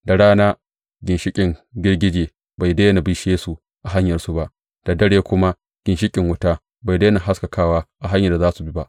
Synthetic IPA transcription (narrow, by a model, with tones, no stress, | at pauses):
da˨ɽaː˦naː˦ | ɡʲɪ˨nʃɪ˦kʲʼɪ˨ŋɡʲɪ˦rɡʲɪ˦d͡ʒeː˨ | ba˨jde˦na˨bi˦ʃeː˦su˨ | ʔa˨ɦa˦ɲjɐ˨rsu˨ba˦ʔ | d̥a˨dɐ˦ɽeː˦kʷʊ˦ma˦ | ɡ̥ʲɪ˨nʃɪ˦kʲʼɪ˨ŋwʊ˦taː˦ | ba˨jdeː˦na˨ɦa˦ska˨kʰaː˦˨waː˦ʔa˨ɦa˦ɲjɐ˨rda˨zaː˦su˨bi˦ba˦ʔ